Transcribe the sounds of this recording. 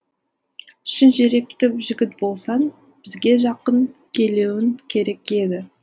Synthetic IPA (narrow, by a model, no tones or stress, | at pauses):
ʏʃɪnʒeɾe̞k̚t̪ɪpʒɪɡʲɪt̪̚bo̞lˠsɑn | b̥ɪzɡʲe̞ʒɑqəŋkʲʰe̞le̞wɪŋkʲʰe̞ɾe̞kʲe̞d̪ɪ